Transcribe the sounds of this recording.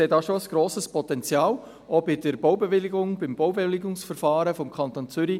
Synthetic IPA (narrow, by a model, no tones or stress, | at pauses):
eːdɑːʃoəsɡ̥ɾoːsəspɔt̪ɛnt͡sjɑːl | ɔbɪdəɾboʊbevɪlɪɡʊŋbɪmbowbelɪɡʊŋsfəɾfɑːɾəfɔmkʰɑnt̪oːnt͡sʏɾi